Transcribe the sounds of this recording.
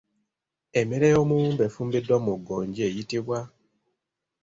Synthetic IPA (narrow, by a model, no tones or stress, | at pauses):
emeɾejomumbefuːmbidːwamuɡoːɲɟie̞jitiβwa